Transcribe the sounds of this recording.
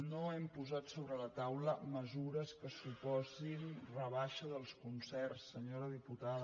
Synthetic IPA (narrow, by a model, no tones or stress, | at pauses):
noɛmpuzat̪soβɾələt̪awləməzuɾəskəsupɔzinrəβaʃəðəlˠskunsɛrsːəɲoɾəðiput̪aðə